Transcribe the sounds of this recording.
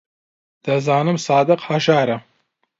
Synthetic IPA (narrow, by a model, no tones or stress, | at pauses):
d̪̥ɐzaːnɨmsaːd̪ɨqhɐʃaːɾɐ